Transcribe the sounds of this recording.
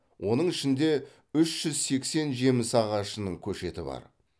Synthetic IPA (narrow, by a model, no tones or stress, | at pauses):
wʔo̞nəɴɪʃɪnd̪e̞ | ʏʃʒ̥ʏzse̞kse̞nʒe̞mɪsɑʁɑʃənəɴkʲʰɵʃe̞t̪ɪbɑ̰ɾ